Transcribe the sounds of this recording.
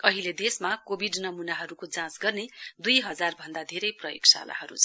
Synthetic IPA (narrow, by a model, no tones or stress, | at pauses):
ʌɦiled̪esmakobʱiɖnʌmunaɦʌɾukod͡zãsɡʌrned̪ujɦʌd͡zarbʱʌnd̪ad̪ʱeɾʌjprʌjoksa̰la̰ɦʌɾṵt͡sʰʌ